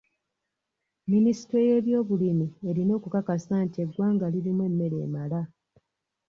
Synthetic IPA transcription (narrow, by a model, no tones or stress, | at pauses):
minisi̥twe̞je̞ɾjo̞ːβulimie̞ɾino̞ːkukakasaːntie̞ɡwaːŋɡaliɾimwe̞mːe̞ɾe̞̰ːmala